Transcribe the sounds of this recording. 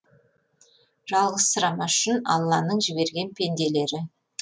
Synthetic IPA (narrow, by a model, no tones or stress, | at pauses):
ʒ̥ɑlˠʁəssəɾɑmɑʏʃɪnɑ̰lˠːɑnəɴʒɪbe̞ɾɡʲe̞npʰe̞nd̪e̞le̞ɾɪ